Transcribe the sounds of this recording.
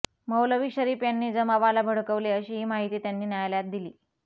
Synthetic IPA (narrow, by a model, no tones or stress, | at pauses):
məwləʋiːɕəɾiːfjanːiːd͡zəmaʋalabʱəɽkəʋleəɕiːɦiːmaɦit̪iːt̪janːiːnjajljat̪̚d̪iliː